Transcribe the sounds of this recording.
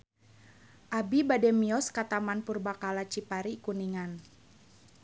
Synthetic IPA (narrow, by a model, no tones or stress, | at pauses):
ʔabibadɛmiɔskat̪amanpurbakalat͡ʃipaɾikuniŋan